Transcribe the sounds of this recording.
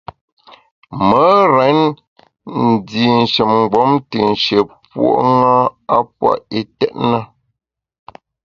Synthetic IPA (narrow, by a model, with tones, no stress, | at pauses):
mə˨˦ɾɛ˨˦n | n̩˨di˨n̩˨ʃə˨mŋ̩˨ɡ͡bɔ˨˦mtɨ˨n̩˨ʃə˨pwo̰˨ʔŋa˦a˦pwa̰˦˨ʔi˨tɛ˦t̚nə˦